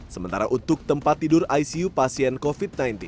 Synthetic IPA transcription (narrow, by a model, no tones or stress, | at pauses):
səmənt̪aɾaʔunt̪ʊk̚t̪əmpat̪ːidʊɾajsiupasiɛnkofit̪̚najnt̪in